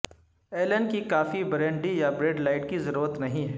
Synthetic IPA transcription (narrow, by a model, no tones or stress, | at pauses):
eːlənkikaːfibɾẽːɳɖijabɾeːɖlaːɪʈ̚kizɐɾuːɾət̪nɐɦĩɦɛː